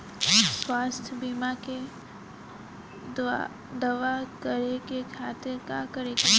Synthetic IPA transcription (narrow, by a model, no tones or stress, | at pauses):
swaːst̪ʰjəbiːmake | d̪ɐʋakəɾekekʰaːt̪ɪɾkakəɾek